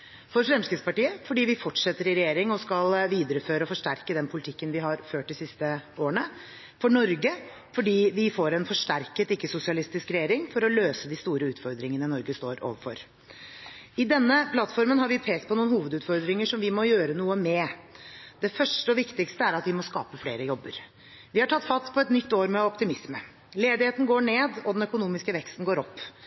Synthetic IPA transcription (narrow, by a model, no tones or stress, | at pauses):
fɔɾfɾɛmskəspɑʈiːəfɔɖiːʋɪfɔʈʂɛt̪ːəɾɪɾɛjeːɾɪŋɔskɑlʋiːd̪əɾəføːɾəɔfɔʂʈæɾkəd̪ɛnpʰʊlɪt̪ʰɪkːənʋɪɦɑɾføːʈd̪ɪsɪst̪əoːəɳə | fɔɳɔɾɡə | fɔɖiːʋɪfoːɾɛnfɔʂʈæɾkət̪ɪkːəsʊsɪɑlɪst̪ɪskɾɛjeːɾɪŋfɔɾɔløːsəd̪ɪst̪uːɾəʉːt̪fɔɾd̪ɾɪŋənənɔɾɡəst̪oːɾo̰ːʋəfɔ̰ɾ | ɪd̪ɛnːəpʰlɑt̪ːfɔɾmənɦɑɾʋɪpʰeːkt̪pʰɔnuːənhuːʋəd̪ʉːt̪fɔɾd̪ɾɪŋəʂɔmʋɪmɔjøːɾənuːəmɛ | d̪̥ɛfœʂʈəɔʋɪkt̪ɪkst̪əæɾɑt̪ʋɪmɔskɑ̰ːpəflḛːɾəjɔbːəɾ | ʋɪhɑʈʰɑt̪ːfɑst̪pʰɔɛt̪nʏt̪ːoːɾmɛɔpt̪ɪmɪsmə | leːd̪ɪheːt̪n̩ɡoːɳeːd̪ɔd̪ɛnœkʊnuːmɪskəʋɛkst̪n̩ɡoːɾɔpː